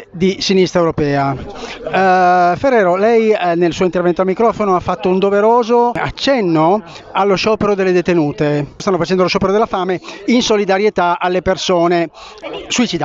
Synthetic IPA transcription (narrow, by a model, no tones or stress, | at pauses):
d̪isinist̪ɾɛewɾopɛːa | ferːɛːɾolɛjnelsuːoint̪ervɛnt̪oalmikɾɔːfonoafːat̪ːound̪oveɾoːzoa̰t͡ʃːɛnːo | alːoʃɔːpeɾod̪elːed̪et̪enuːt̪est̪anːofat͡ʃɛnd̪oloʃɔːpeɾod̪elːafaːmeinsolid̪aɾjet̪aalːepersoːne | suit͡ʃid̪a